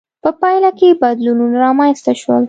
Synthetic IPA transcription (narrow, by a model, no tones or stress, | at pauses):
pəpɑjlakebad̪lununaɾɑmanst̪aʃwə̰l